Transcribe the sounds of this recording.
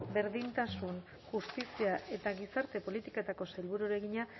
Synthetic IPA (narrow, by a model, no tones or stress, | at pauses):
be̞ɾðint̪asun | ʝust̪isiaʔe̞t̪aɣisaɾt̪e̞po̞lit̪iket̪ako̞sajlβuɾuɾe̞ɣiɲa